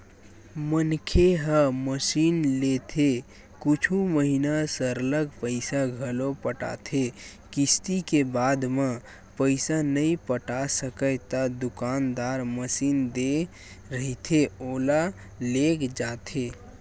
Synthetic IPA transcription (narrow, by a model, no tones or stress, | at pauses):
mənkʰeɦə̃məsiːnlet̪ʰe | kut͡ʃʰuməɦinasəɾləɡpəɪsaɡʱəlopəʈa̰t̪ʰe | kist̪ikebaːd̪mã | pəɪsanəĩpəʈasəkət̪ad̪ʊkaːnd̪aɾməsiːnd̪e | ɾəɦit̪ʰeola | lekd͡ʒaːt̪ʰe